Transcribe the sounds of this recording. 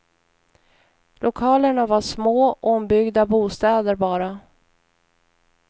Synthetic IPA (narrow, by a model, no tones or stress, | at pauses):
lʔʊkʰɑːləɳavaʂmoːʔɔmbʏɡd̪abuːst̪ɛːd̪əɾbɑːɾa